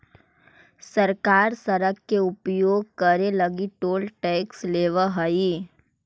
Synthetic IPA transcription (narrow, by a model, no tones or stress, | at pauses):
səɾkaːɾsəɾəkːeʊpjoːɡ̚kəɾeləɡiʈoːlʈeːksleːʋəɦəi